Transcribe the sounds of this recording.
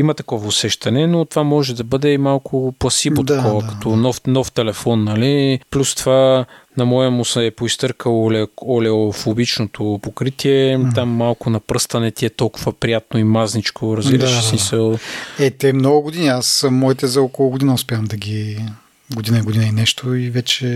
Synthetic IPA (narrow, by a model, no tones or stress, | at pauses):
imɐt̪ɐkɔvɐʊsɛʃt̪ɐnɛnot̪ovamɔʒɛd̪ɐbɤd̪ɛmalˠkʰʊplˠɐsivot̪ɐkɔvəkɐ̥t̪ɔnɔfnɔft̪ɛlɛfɔnːɐliplʲust̪ovanɐmɔjəmʊsɛɛpoist̪ɤɾkəlˠlɛɔlɛofobit͡ʃnot̪ʰopokɾit̪iɛt̪amːalˠkʊnɐpɾɤst̪ɐnɛt̪iɛt̪ɔlˠkʊvɐpɾijat̪̚noimaznit͡ʃkʰoɾɐzɡiɾɐʃsmisəlˠɛt̪ɛmnɔɡʊɡod̪iniasmɔit̪ɛzɐɔkolˠʊɡod̪inɐʊspʲamd̪ɐɡʲi | ɡod̪inɐiɡod̪inɐinɛʃt̪ʰoivɛt͡ʃɛ